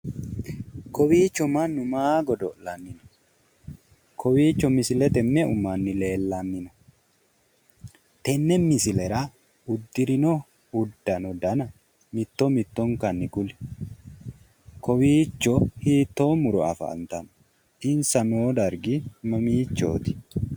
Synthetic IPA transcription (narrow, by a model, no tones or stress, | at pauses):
kɔwiːt͡ʃːɔmɐnːʊmaːɡɔd̪ɔlɐnːɪnɐ̥ | kɔwiːt͡ʃːɔmɪsɪlɛt̪ɛmːɛʊmːɐnːɪleːlːɐnːɪnɐ | t̪ɛmːɛmɪsɪlɛɾɐ | ʊd̪ːɪɾɪnɔ | ʊd̪ːɐnɔd̪ɐnɐ | mɪt̪ːɔmɪt̪ːɔŋkɐnːɪkʊlɪ̥ | kɔwiːt͡ʃːɔhiːt̪ːoːmʊɾɔɐ̰fɐ̰ːnt̪ɐn | ʔɪnsɐnoːd̪ɐɾɡɪmɐmiːt͡ʃːo̰ːt̪ɪ̥